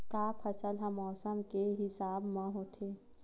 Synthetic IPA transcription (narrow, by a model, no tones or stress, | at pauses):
kaːpʰəsəlɦəmɔːsəmkeɦɪsaːbmãɦoːt̪ʰeː